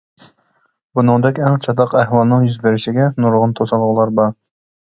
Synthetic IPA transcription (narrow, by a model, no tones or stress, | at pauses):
bunɨŋd̪ɛkʲɛŋt͡ʃʰɑd̪ɑqæhwɑlˠnɨŋjyzbɪɾɪʃɪɡʲɛnuɾʁʊnt̪ʰosɑlˠʁʊlˠɑɾbɑɾ